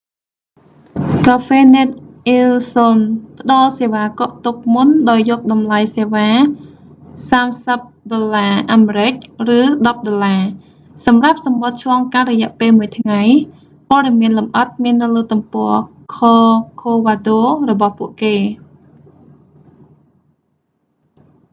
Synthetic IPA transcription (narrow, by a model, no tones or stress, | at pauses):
kaːfeːnɛt̪̚ʔilsonpə̆ɗɑlseːʋaːkoʔt̪uk̚munɗaɔjːɔːk̚ɗɑmlajseːʋaː | saːmsəp̚ɗolːaːʔaːmeɾɨc̚rɨːɗɑp̚ɗolːaː | sɑmrap̚sɑmɓot̪̚t͡ɕʰlɑːŋkanrɔjɛ̆əʔpeːlmuəjt̪ʰŋaj | poəɗemiənlumʔət̪̚miənːɨwləːt̪umpɔə | kʰoːkʰoːʋaːɗoːrɔɓɑhpuəʔkeː